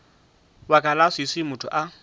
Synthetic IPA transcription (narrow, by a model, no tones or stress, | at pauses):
wakʼalasisɪmʊtʰʊ̰ʔa